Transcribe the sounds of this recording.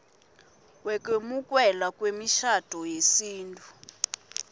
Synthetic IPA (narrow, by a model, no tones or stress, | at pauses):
wɛkʼemukʼwɛlakʼwemiʃad̥ʼʱɔjesiːntʼu